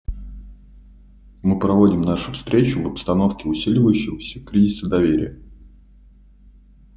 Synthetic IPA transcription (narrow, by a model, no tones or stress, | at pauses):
mɨpɾɐvo̞dʲɪmnaʂʊfst̪ɾʲet͡ɕʊvəpst̪ɐno̞fkʲɪʊsʲilʲɪvəjʉɕːɪɣəsʲəkɾʲizʲɪsəd̪ɐvʲeɾʲɪ̰jə